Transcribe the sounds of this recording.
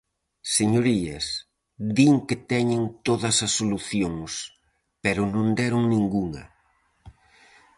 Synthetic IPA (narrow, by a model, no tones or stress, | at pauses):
seɲoɾiɐs | d̪iŋket̪ɛɲent̪oðɐsɐsːoluθjoŋs | peɾʊnõnd̪ɛɾʊŋnĩŋɡuŋɐ̰